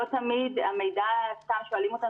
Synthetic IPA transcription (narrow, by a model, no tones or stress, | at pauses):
ot̪amidamejdast̪amʃoalimot̪a